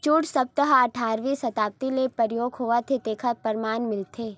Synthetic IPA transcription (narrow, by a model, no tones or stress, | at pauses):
t͡ʃuːʈsɐb̚t̪əɦaɐʈʰaːɾʋisɐt̪aːp̚t̪ilepɐɾjoːɡɦoːʋat̪ʰet̪eːkʰapɐɾmaːnmɪlt̪ʰeː